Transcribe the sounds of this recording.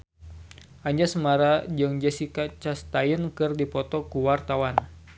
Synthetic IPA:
ʔaɲd͡ʒasəmaɾad͡ʒɨŋd͡ʒɛsikat͡ʃast̪ajənkɨrdipɔt̪ɔkuwart̪awan

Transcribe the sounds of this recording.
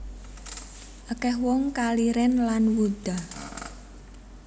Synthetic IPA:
ʔəkɛhwɔŋkaliɾɛnlanwud̪̥a̤

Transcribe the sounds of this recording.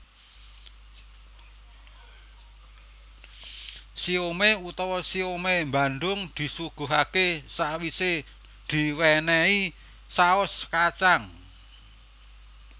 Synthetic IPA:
siomeut̪ɔwɔsiomemba̤nɖ̪ʊŋd̪̥i̤suɡ̥ṳɦakesaʔwise | d̪̥i̤wɛnɛi | saʊskat͡ʃaŋ

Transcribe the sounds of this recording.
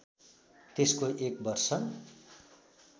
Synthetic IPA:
t̪eskoʔekbʌrsʌ

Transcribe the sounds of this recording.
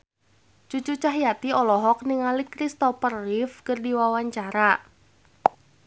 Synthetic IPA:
t͡ʃut͡ʃut͡ʃaɦijat̪iɔlɔɦɔk̚niŋalikɾist̪ɔpərɪfkɨrdiwawaɲt͡ʃaɾa

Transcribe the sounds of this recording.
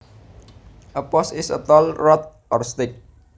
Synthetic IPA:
ʔəpɔsɪsə̰t̪ɔlrɔt̪̚ʔɔrst̪ɪk̚

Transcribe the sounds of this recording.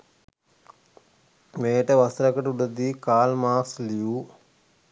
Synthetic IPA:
meːʈəʋɐst̪ɾɐkəʈuɽəd̪iːkaːlmaːksliju

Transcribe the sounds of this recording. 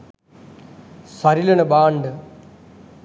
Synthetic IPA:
sɐɾilɐnɐbaːɳɖɨ

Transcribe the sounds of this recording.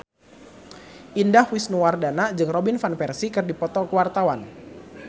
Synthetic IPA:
ʔindahwisnuwardanad͡ʒɨŋrɔbinfanpɛrsikɨrdipɔt̪ɔkəwart̪awan

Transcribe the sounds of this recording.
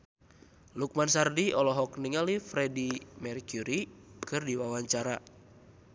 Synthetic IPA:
luk̚mansardiɔlɔɦɔkniŋalifɾɛdimɛrkuɾikɨrdiwawaɲt͡ʃaɾa

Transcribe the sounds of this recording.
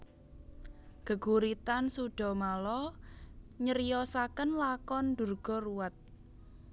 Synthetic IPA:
ɡ̥əɡ̥uɾit̪ansuɖ̥ɔ̤malɔ | ɲəɾijɔsakənlakɔnd̪urɡ̥ɔ̤ruwat̪̚

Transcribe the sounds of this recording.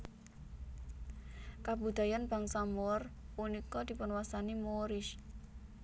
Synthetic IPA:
kabṳd̪̥a̤janb̥a̤ŋsamɔr | punikɔd̪̥i̤pʊnwasanimoɾɪʃ

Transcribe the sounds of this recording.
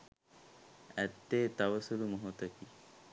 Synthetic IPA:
æt̪ːeːt̪aʋəsulumoɦot̪əki

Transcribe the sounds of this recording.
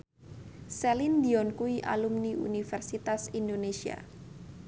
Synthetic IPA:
sɛlind̪iɔnkuiʔa̰lumniṵnifɛrsit̪asindonesia̰

